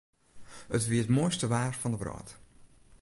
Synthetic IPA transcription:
ətʋiətmojstəʋaːrfɔndəbrɔ̰ːt

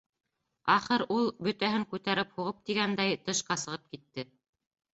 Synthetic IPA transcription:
ɑχɤɾulˠbɵ̆t̪æɦɘŋkʉt̪æɾɘphuʁɤp̚t̪iɡænd̪æjt̪ɤ̆ʃqɑsɤ̆ʁɤp̚kit̪ːɘ

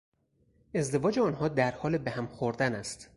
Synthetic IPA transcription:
e̞zd̪e̞vɒːd͡ʒeɒːnhɒːd̪æɾhɒːlebehæmxoɾd̪ænæst̪

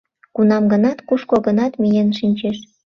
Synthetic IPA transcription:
kunɑmɡənɑt̪kuʃkoɣənɑt̪mijenʃinʲt͡ɕeʃ

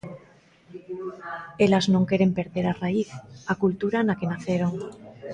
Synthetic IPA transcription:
e̞laznoŋke̞ɾe̞mpe̞ɾðe̞ɾaraiθakult̪uɾanake̞naθe̞ɾo̞ŋ

